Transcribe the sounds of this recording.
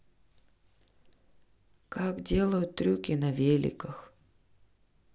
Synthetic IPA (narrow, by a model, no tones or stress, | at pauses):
kakdʲe̞lˠəjʊt̪ːɾʲukʲɪnɐvʲelʲɪ̰kəx